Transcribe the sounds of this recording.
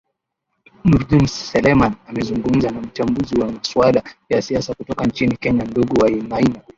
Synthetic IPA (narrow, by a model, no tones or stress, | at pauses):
nuɾdunsːɛlɛmanamɛzuŋɡum̩zanam̩t͡ʃambuziwamaswalajasiasakutɔkant͡ʃinikɛɲanduɠuwainaina